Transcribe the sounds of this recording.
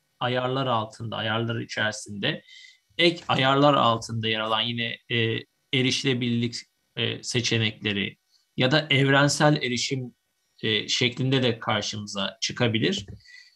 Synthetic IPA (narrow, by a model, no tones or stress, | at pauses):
ajaɾlˠaɾalˠt̪ʰɯnd̪a̰ajaɾlˠaɾɯit͡ʃʰæɾsind̪ɛ | ɛcʰajaɾlˠaɾa̰lˠt̪ʰɯnd̪ajaɾalˠanjinɛː | eɾiʃlʲebilʲlʲicː | se̞t͡ʃʰe̞nɛclʲe̞ɾɪ̰ | jad̪aʔɛvɾænsælʲe̞ɾiʃim | ɛːʃɛclʲind̪ɛd̪ɛkʰaɾʃɯmɯzat͡ʃʰɯkʰabilʲiɾ̥